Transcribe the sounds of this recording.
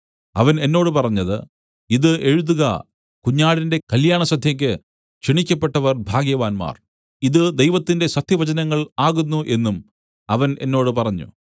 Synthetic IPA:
ɐʋɐne̞nːo̞ːɽɨpɐrɐɲːɐðɨ̰ | iðɨeɻuðuɣɐ̰ | kuɲːaːɽinde̞kɐljaːɳɐsɐd̪ʱjɐŋk̬ʲːɨ | t͡ɕiɳikʲːɐpːe̞ʈːɐʋɐrbʱaːɡjɐʋaːnma̰ːr | iðɨd̪e̞jʋɐt̪ːinde̞sɐt̪ʰjɐʋɐd͡ʑɐnɐŋːɐɭaːɣunːuʔe̞nːum | ɐʋɐne̞̰nːo̞ːɽɨpɐrɐɲːṵ

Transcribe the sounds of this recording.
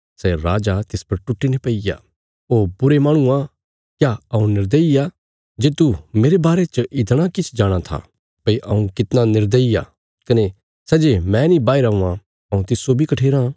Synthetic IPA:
sɛɾaːd͡ʒat̪ɪspɐɾʈʊʈːinepɐija̰ | oːbʊɾemãːɽ̃ʊ̃ã | kjaɐũnɪɾd̪əia | d͡ʒeːt̪umeːɾebaːɾet͡ʃʔɪt̪ɽ̃akɪt͡ʃʰd͡ʒaːɽ̃at̪ʰa̰ | pɐiʔɐũkɪt̪nanɪɾd̪əijaː | kɐne | sɛːd͡ʒemɛ̃nĩbaːiɾɐũːã | ɐũt̪ɪsːobʱikɐʈʰeːɾã

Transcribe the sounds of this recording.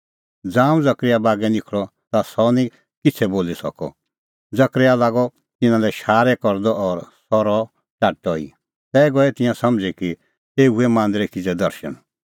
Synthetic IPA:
d͡zãːũd͡zɐkɾɪjabaːɡɛnɪkʰɭɔt̪asɔnĩ | kɪt͡sʰɛboːlisɔ̰kɔ̰ | d͡zɐkɾealaːɡɔ | t̪ɪnãlɛʃaːɾɛkɔɾd̪ɔɔɾsɔɾɔ | t͡ʃaʈɔḭ | t̪ɛːɡɔɛt̪ɪ̃jãsɐmd͡ziki | eːuɛmãːnd̪ɾɛkid͡zɛd̪ɐɾʃə̰n

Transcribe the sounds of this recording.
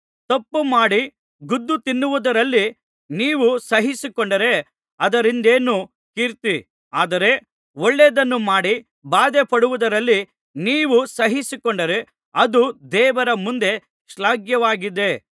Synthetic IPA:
t̪ɐpːumaːɽi | ɡud̪ːut̪inːuʋud̪ɐɾɐlːi | niːʋusɐɦisikɔɳɖɐɾe̞ | ɐd̪ɐɾind̪e̞ːnu | kiɾt̪i | aːd̪ɐɾe̞ | oɭːeːd̪ɐnːumaːɽi | baːd̪epɐɽuʋud̪ɐɾɐlːi | niːʋusɐɦisikɔɳɖɐɾe̞ | ɐd̪ud̪ɛːʋɐɾɐmund̪e̞ | ʃlaːɡjɐʋaːɡid̪e̞

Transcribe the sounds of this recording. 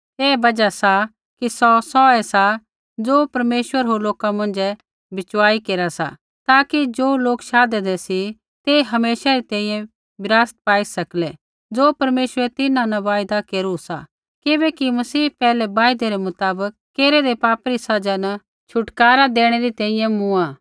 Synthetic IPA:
eːbɐd͡ʒasa | kisɔsɔɛsa | d͡zoːpɐɾmeːʃwəɾɦoloːkamɐ̃nd͡ʒɛ | bɪt͡ʃwaːikeːɾasa̰ | t̪aːkid͡ʒoːloːkʃaːd̪ed̪ɛsi | t̪eɦɐmeːʃaɾit̪ɛ̃ːĩjɛ̃ | bɪɾaːst̪̚paːisɐklɛ | d͡zoːpɐɾmeːʃəɾɛt̪ɪnãnɐʋaːjd̪akeːɾusa̰ | kɪbɛːkimɐsiːpɛːlɛbaːɪd̪eɾemʊt̪aːbəkːeːɾɛd̪epaːpɾisɐd͡ʒanɐ | t͡ʃʰʊʈkaːɾad̪eːɽ̃eɾit̪ɛ̃ːĩjɛ̃mʊ̃ãː

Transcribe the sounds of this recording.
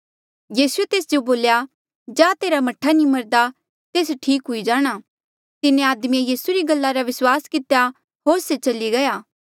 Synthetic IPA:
jiːsuet̪eːsd͡ʒoboːlja | d͡ʒãːt̪eːɾamɐʈʰːanĩmɐɾd̪a | t̪eːsʈʰiːkɦʊid͡ʒaːɽ̃a | t̪ɪnẽaːd̪mĩejiːsuɾiɡɐlːaɾaʋɪswaːskɪt̪ja | ɦoːɾset͡ʃɐliɡɐjaː

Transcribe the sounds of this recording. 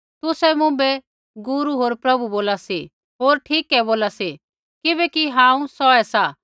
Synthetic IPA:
t̪ʊsɛmʊ̃bɛ | ɡʊɾuɦoːɾpɾɐbuboːlasi | ɦoːɾʈʰiːkɛboːlasi | kɪbɛkiɦãːũsɔɛsa

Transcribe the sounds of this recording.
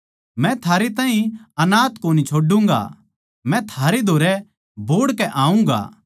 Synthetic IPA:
mɛ̃t̪ʰaːɾet̪̬aːɦĩɐnaːt̪koːnit͡ʃʰoːɖũːŋɡa̰ | mɛ̃t̪ʰaːɾed̪ʱoːɾɛ | bʱoːɽkɛʔaːũŋɡa̰ː

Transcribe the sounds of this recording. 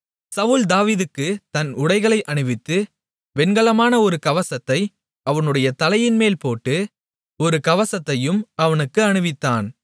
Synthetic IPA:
sɐʋʊld̪aːʋiːðɯkːɯt̪ɐnʊɽɐɪɣɐɭɐɪʔɐɳɯʋɪt̪ːɯ | ʋɛnɡɐɭɐmaːnɐɔɾɯkɐʋɐsɐt̪ːɐɪ | ɐʋɐnɯɽɐjɐt̪ɐlɐjɪnmeːlpoːʈːɯ | ɔɾɯkɐʋɐsɐt̪ːɐjɯmɐʋɐnɯkːɯɐɳɯʋɪt̪ːaːn

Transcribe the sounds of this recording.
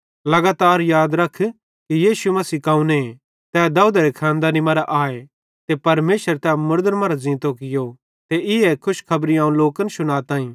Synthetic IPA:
lɐɡaːt̪aːɾjaːd̪ɾɐkʰ | kijiːʃumɐsiːkãːũne | t̪ɛːd̪ɐuːd̪aɾekʰãːnd̪aːnimɐɾaʔaːe | t̪epɐɾmeːʃəɾt̪ɛmʊɾd̪əɾmɐɾazɪ̃ːt̪okɪjo | t̪eɪɛkʰʊʃkʰɐbɾiaːũloːkənsʊnaːt̪ãːĩː

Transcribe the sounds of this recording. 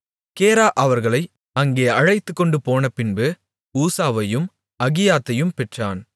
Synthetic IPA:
keːɾaːʔɐʋɐɾɣɐɭɐɪ | ɐŋɡeːɐɻɐɪt̪ːɯkːɔɳɖɯpoːnɐpɪnbɯ | uːsaːʋɐjɯm | ɐɣɪjaːt̪ːɐjɯmpɛʈraːn

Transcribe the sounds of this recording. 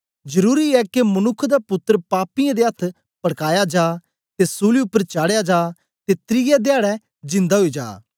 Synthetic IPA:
d͡ʒɐɾuːɾiɛkemɐnʊkʰːd̪apʊt̪ːəɾpaːpɪjãd̪eɐt̪ʰ | pɐɽkaːjad͡ʒaː | t̪esuːliʊpːəɾt͡ʃaːɽejad͡ʒaː | t̪et̪ɾɪjɛd̪ejaːɽɛ | d͡ʒɪ̃nd̪aɦoid͡ʒa̰ː

